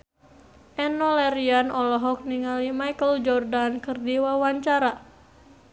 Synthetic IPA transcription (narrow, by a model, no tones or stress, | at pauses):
ʔɛnɔlɛɾianɔlɔɦɔk̚niŋalimajkəld͡ʒɔrdankɨrdiwawaɲt͡ʃaɾa